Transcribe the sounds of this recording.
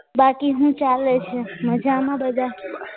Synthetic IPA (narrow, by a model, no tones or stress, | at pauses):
bakiɦũt͡ʃalet͡ʃʰeməd͡ʒʱamãbəd̪a